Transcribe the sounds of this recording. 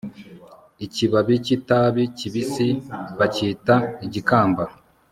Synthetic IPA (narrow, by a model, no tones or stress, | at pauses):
iciβaβicitaβiciβisiβaciːtaiɟikaːmba